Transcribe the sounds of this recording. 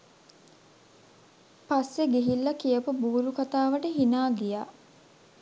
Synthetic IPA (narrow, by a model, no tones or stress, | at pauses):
pasːeɡeɦilːɐkijəpubuːlukat̪aːʋəʈəɦinaːɡijaː